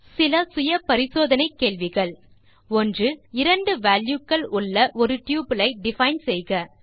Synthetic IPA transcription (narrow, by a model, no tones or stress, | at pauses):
sɪlɐsʊjɐpɐɾɪsoːðɐnɐɪkːeːɭʋɪɣɐɭ | ɔndrɯɪɾɐɳɖɯʋaːljukːɐɭʊɭːɐʔɔɾɯʈjuːbɯlɐɪɖɪfɐɪnsɛjɣɐ